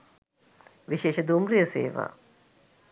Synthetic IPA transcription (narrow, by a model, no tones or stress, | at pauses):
ʋiʃeːʃəd̪umrijəsḛːʋa̰ː